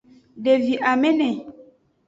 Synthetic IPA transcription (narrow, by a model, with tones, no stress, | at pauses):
ɖe˨vi˨ʔa˨mɛ̃˦nɛ̃˨